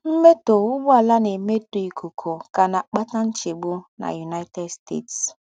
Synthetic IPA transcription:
m̩˦me˦to˨ʊ˦bʊ˦a˨la˦ne˨me˦to˨i˨ku˨kʰo˨ka˨na˨k͡pa˦ta˦n̩˦t͡ʃe˨ɡ͡bu˦na̰˨ju˨na˦ɪ˦te˦dstḛ˦˨ts

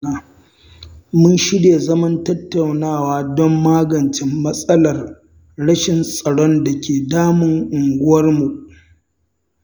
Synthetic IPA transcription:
mʊ˦nʃɪ˦deː˨zɐ˦mɐ˦ntɐ˦tːɐ˨wnaː˦˨waː˦dɔ˦mːaː˦ɡɐ˨nt͡ʃɪ˦mːɐ˦sʼɐ˦lɐ˨r | ɽɐ˦ʃɪ˨nsʼɐ˨ɽɔ˦nda˨kʲeː˨daː˦mʊ˨ŋʔʊ˨ŋɡʷʊ˦wɐ˦rmu˨ʔ

